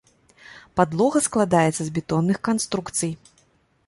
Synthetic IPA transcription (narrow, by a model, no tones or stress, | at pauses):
pad̪lˠɔɣɐsklˠad̪ajɛt̪sɐzbʲɛt̪ɔnːɨxkanst̪ɾukt̪sɨj